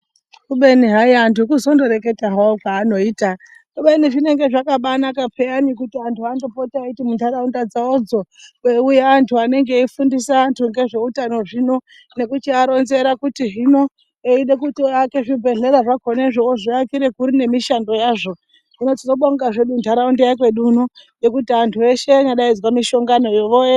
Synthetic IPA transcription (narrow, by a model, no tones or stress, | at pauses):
kuɓe̞niɦaiantʰukuzo̞ndo̞ɾe̞ke̞taɦwaokwaːno̞iːta | kuɓe̞niʐine̞ŋɡe̞ʐakaɓanakapʰeanikutiantʰuandopotiaitimuntʰaɾaundad͡zaod͡zo̞eujaːntʰuane̞ŋɡe̞ifundisaːntʰuŋɡe̞ʐe̞utano̞ʐino̞ | ne̞kut͡ʃiaɾo̞nze̞ɾakutiɦino̞ | eiɗekutiake̞ʐibʱe̞ɮe̞ɾaʐakʰo̞neʐooʐiakiɾe̞kuɾine̞miʃando̞jaːʐo̞ | ino̞tino̞ɓoŋɡaʐeɗuntʰaɾaundajakwe̞ɗunuje̞kutiantʰue̞ʃe̞naɗaid͡zwamiʃo̞ŋɡano̞joʋoe